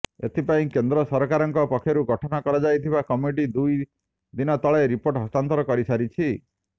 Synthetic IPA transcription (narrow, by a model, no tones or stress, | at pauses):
et̪ʰipaĩkend̪ɾɔsɔɾɔkaɾɔŋkɔpɔkʰːjɔɾuɡʱɔʈʰɔnakɔɾɔd͡ʒajt̪ʰibakɔmiʈ̬id̪uj | d̪inɔt̪ɔɭeɾipoɾʈɦɔst̪ant̪ɔɾɔkɔɾisaɾit͡ʃʰi